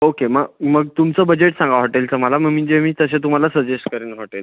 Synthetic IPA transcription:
okeməɡməɡ̚t̪umt͡səːbəd͡ʑeʈsãŋɡaɦoʈelt̪əməalaməɡm̤əɳd͡ʑemiːt̪əs̬ẽt̪um̤alasəɾd͡ʑesʈkəɾenɦoʈel

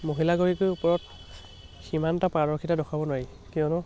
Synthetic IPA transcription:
moɦilaɡoɹikʊjupɔɹɔt | ximantapɹaɹɔɹkʰitadɔkʰabɔnaɹi | kiɔnɔ

